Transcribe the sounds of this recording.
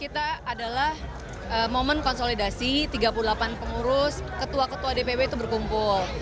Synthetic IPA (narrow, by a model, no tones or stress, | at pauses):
kit̪aːdalah | əmomənkɔnsolidasit̪iɡapululapanpəŋuɾʊskət̪uakət̪uadepebeit̪ubərkumpʊl